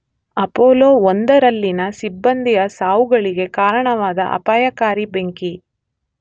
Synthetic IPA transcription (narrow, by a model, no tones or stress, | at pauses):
ɐpoːloːond̪ɐɾɐlːinɐsibːɐnd̪ijɐsaːʋuɡɐɭiɡe̞kaːɾɐɳɐʋaːd̪ɐ̰ʔɐ̰paːjɐkaːɾibe̞ŋki